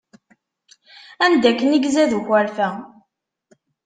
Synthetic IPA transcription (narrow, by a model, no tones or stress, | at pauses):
ænd̪ækːəniɡzæðuçəɾfæ